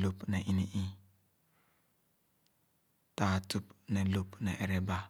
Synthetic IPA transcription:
lu˦pne˨ʔi˦ni˨ʔi˦ | ta˨tu˦pne˨lu˦pnɛ̰˨ʔe˨ɾe˦ba˦

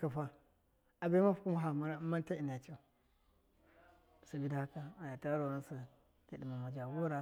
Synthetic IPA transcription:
ka˨fa˦ | a˨be˦ma˦fu̥˦ku˦m˦ɦa˨ma˦na˦ma˦n˦ta˦i˨na˨t͡ʃa˦˨ | sa˨bi˦da˦ha˦ka˨a˨ja˨ta˦a˦ɾo˨ɾa˦nsu˨ | ti˨ɗi˨ma˨ma˨d͡ʒa˨wo˦ɾa˦

